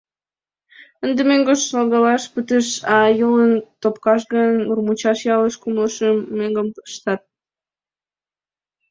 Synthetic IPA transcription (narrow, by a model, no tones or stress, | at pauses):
ənd̪emeŋɡoʃnɑlɣɑlɑʃpət̪əʃɑjələnt̪opkɑʃ̬ɣənurmut͡ɕɑʃjɑləʃkumləʃəmːeŋɡəmpʃt̪ɑt̪̚